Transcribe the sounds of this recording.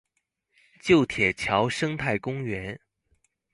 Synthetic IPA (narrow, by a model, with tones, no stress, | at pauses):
t͡ɕjo˥˩ʊt̪ʰjɛ˨˩t͡ɕʰjɑ˧˥ʊʂɤ˥ŋt̪ʰa˥˩ɪkʊ˥ŋɥɛ˧˥n